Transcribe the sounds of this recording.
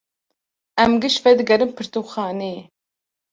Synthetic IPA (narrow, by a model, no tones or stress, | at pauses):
ɛmɡɨʃvɛd̪ɨɡɐɾɨmpʰɨɾt̪oxɑːneː